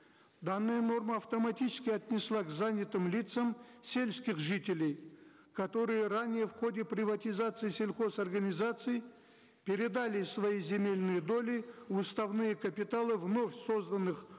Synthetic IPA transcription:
d̪anːɨjəno̞rməːft̪omat̪ʲit͡ʃɪ̥skʲɪjat̪ʲnʲɪslˠaɡzanʲit̪ɨmlʲit̪səmsʲe̞lʲsʲkʲiχʒɨt̪ʲelʲej | kʰɐt̪o̞ɾɨjəranʲɪjəfχo̞dʲeprʲɪvat̪ʲizat̪sɨjsʲe̞lʲχo̞sɐrɡɐnʲizat̪sɨj | pʲeɾʲɪd̪alʲɪsvajizʲe̞mʲe̞lʲnɨjəd̪o̞lʲiust̪avnɨjəkʰɐpʲit̪alˠɨvno̞fʲso̞zd̪ɐnːɨχ

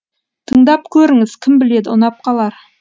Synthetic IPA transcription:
t̪ʰəɴd̪ɑp̚kʲʰɵɾɪŋɪz̥kʲʰɪmbɪle̞d̪ɪʊnɑp̚qʰɑlˠɑɾ

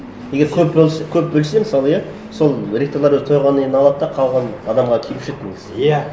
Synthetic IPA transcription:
je̞ɡʲe̞ɾkʲʰɵp̚bølˠsekʲʰɵp̚bɵlsemɪsɑlˠəja | so̞lˠɾʲekt̪oɾlˠɑɾɵzt̪ʰojʁɑnəeɪnɑlˠɑd̪̚d̪ɑqʰɑw̪ˠʁɑnɑd̪ɑmʁɑkʲʰelɪpʃet̪ːɪŋɪzjæ

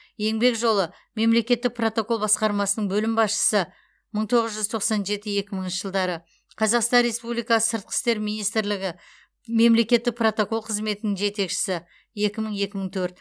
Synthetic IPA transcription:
je̞ŋbe̞kʒo̞lˠə | me̞mle̞kʲe̞t̪ːɪk̚pro̞t̪o̞ko̞lˠbɑsqɑɾmɑsənəɴbɵlɪmbɑsʃə̥sə | məɴt̪ʰo̞ʁəzʒʏzt̪ʰo̞qsɑnʒe̞t̪ɪje̞kʲɪməɴŋənʃəʒəlˠd̪ɑɾə | qʰɑzɑqst̪ɑnɾe̞spublijkɑsə̥səɾt̪̚qʰə̥st̪e̞ɾminijst̪ɪɾlɪɡʲɪ | me̞mle̞kʲe̞t̪ːɪk̚pro̞t̪o̞ko̞lˠqʰəzme̞t̪ɪnɪŋʒe̞t̪e̞kʃɪ̥sɪ | je̞kʲɪməɴe̞kʲɪməɴt̪ʰɵɾt̪

